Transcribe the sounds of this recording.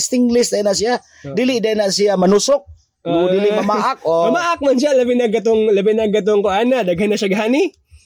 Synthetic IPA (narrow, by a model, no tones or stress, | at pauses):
st̪ɪŋlɪstd̪ajnaʔs̬ia | dilɪʔdanaʔsiamanusʊk̚ | dilɪʔmamaʔakomamaʔak̚mans̬alabinaɡat̪ʊŋlabinaɡat̪̬ʊŋkʊanadaɡɦanːaʃaɡɦani